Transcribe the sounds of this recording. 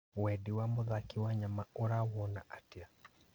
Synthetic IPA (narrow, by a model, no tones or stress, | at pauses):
wɛdiwamoðakiwaɲamaoɾawɔna̰ʔatia